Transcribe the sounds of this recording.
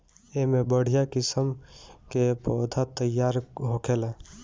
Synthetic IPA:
eɦmebəɽ̤ijakisəmkepod̪ʱat̪əjːaɾɦokelẽ

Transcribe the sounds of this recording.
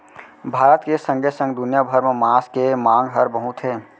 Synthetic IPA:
bʱaːɾət̪kesə̃ŋɡesə̃ŋɡd̪ʊnjabʱəɾmẽmaːskemãːŋɡɦəɾbəɦʊt̪ɦeː

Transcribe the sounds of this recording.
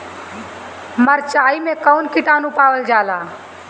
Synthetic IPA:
məɾt͡ʃaːimẽkəʊnkɪʈaːnũpaːwəld͡ʒaːlaː

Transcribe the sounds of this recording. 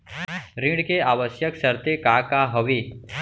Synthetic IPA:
ɾĩɽkeaːʋəsjəksəɾt̪ekakaɦəʋeː

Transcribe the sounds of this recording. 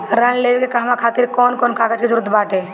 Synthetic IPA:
ɾənleːʋikekaɦmakʰaːt̪ɪɾkɔːnkɔːnkʰaːɡət͡ʃked͡ʒʊɾd̪ʰbaːʈeː

